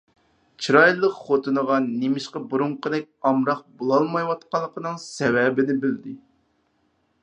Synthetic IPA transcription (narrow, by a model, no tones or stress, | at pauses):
t͡ʃʰiɾɑjlˠːəqχot̪ʰɨnəʁɑnːemɪʃqɑbuɾumqəd̪ɛk̚ʲɑmɾɑq̚bolˠɑlˠmɑjwɑt̪qɑlˠːəqənɨŋsɛwɛbɪnɪbɪld̪ɪ